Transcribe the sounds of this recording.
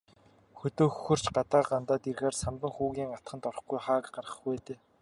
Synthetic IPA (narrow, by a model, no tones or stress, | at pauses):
xɵt̪oːxɵxɵ̆r̥t͡ɕɢat̪aːɢant̪aːt̪irɣeːrsamt̪ə̆ŋxuːɣʲiːŋat̪χə̆nt̪ɔrɞ̆χɡujχaːkɢarʁə̥̆χweːt̪eː